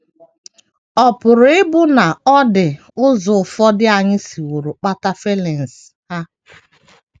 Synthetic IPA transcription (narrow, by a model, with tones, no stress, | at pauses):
ɔ˨pʊ˨ɾʊ˨˦ɪ˦bʊ˦na˨ɔ˦dɪ˨ | ʊ˦zʊ˨fɔ˦dɪ˦a˨ɲɪ˦si˨wu˨ɾʊ˨k͡pa˦ta˦fe˦le˨n̩˨sha˦